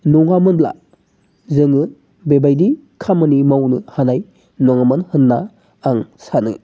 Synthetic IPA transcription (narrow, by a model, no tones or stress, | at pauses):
nɔŋamɯnbla̰ | zɯŋɯ | bebajdi | kʰamɯnimawnɯhanaj | nɔŋamɯnhɯnːaː | ŋsanɯ̰